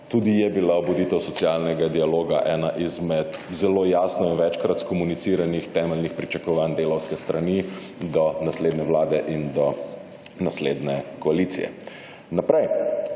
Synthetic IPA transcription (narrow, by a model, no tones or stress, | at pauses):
t̪uːd̪ijɛbilaɔbɔd̪iːt̪ɛwsɔtsialnɛɡad̪ialoːɡaʔɛːnaʔizmɛt̪zɛloːjaːsnɔinʋɛt͡ʃkɾat̪skɔmunit̪siːɾanixt̪ɛːmɛlnixpɾit͡ʃakɔʋand̪eːlɐwskɛst̪ɾani | d̪ɔnasleːd̪nɛwlaːd̪ɛʔind̪ɔ | nasled̪nɛkɔaliːt̪sḭjɛ̰ | napɾɛj